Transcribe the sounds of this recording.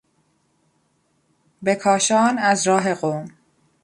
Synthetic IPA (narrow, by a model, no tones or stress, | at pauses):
be̞kʰɒːʃɒːnæzɾɒːɦe̞ɣoːm